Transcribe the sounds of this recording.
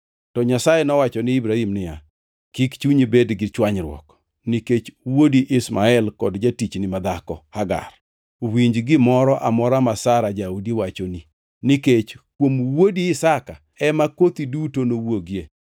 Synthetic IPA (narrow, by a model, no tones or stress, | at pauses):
tɔɲasajenɔwat͡ʃɔnɪibɾahimnɪja̰ | kikt͡ʃuɲibedɡɪt͡ʃwaɲɾwɔ̰k | niket͡ʃwodiʔɪsmaɛlkɔdd͡ʒatit͡ʃnɪmad̪akɔhaɡa̰r | wiɲd͡ʒɡɪmɔɾɔʔamɔɾamasaɾad͡ʒaudiwat͡ʃoni | niket͡ʃkwomwodiɪsaka | ɛmakot̪idutonowoɡje